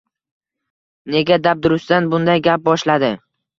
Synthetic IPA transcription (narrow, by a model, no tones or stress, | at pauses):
ne̞ɡʲad̪ap̚d̪ʊɾʊsd̪anbʊnd̪ajɡʲap̚bɒʃlad̪ɪ